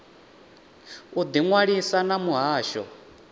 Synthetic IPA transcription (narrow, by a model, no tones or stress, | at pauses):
ud̪iŋwaɺisanamuɦaːʃɔ̰